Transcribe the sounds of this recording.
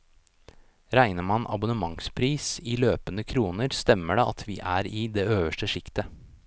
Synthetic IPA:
ɾæɪnəmɑnʔɑ̰bʊnəmɑŋspʰɾiːsiːløːpənəkʰɾuːnəɾst̪ɛmːəɖɛʔɑt̪ʰʋiːʔæːɾiːd̪eːøːʋəʂʈəʂɪkt̪ə

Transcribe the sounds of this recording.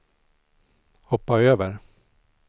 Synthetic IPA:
hɔpːaøːvəɾ

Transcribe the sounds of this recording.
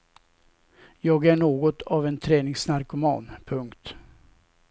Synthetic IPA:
jɑːɡæɳoːɡɔt̪ʰɑvɛnt̪ʰɾɛːnɪŋsnaɾkʊmɑ̰ːnpʰɵŋkt̪

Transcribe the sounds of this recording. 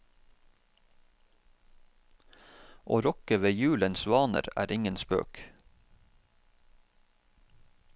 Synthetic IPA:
ʔo̰ːɾɔkəʋeːjʉːlənsʋɑːnə̰ɾæ̰ːɾɪŋənspø̰ːk

